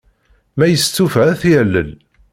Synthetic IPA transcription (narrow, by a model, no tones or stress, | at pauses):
mæjəst͡s̪ːufæθjælːə̰n